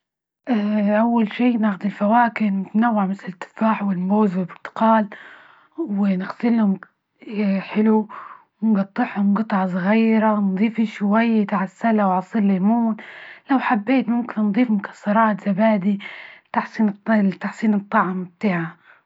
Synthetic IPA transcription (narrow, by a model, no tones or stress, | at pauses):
ʔaʔawːalʃiːnaːxʊd̪ɪlfawaːkɪnt̪nawːɪʕmɪθlɪɪt̪ːɪ̥faːħwɪlmboːzwɪlbɪt̪ɪ̥qɑːl | wɪnɪxsɪlhʊm | ħɪlu | wɪnɡɑt̪ˤːɪħhʊmɡɨt̪ˤʕɑsˤɣiːɾand̪ˤiːfiʃwajːajt̪aʕasːalawʕɑsˤiːllemuːnlawħabːeːt̪mʊmkɪnːnd̪ˤiːfmʊkʰḁsːɑɾˤɑːt̪z̥abaːd̪it̪aħsˤiːnt̪ːaħsˤiːnɨt̪ˤːɑʕmb̚t̪aːʕa